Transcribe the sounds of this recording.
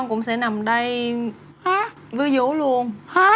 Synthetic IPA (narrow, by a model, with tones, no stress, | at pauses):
ŋ͡mkʊ̰˧˥ŋ͡msɛ̰˧˥na˨˩mɗə˧j | ha˨˦ | vɨ˧əzṵ˧˦lu˧əna˨˦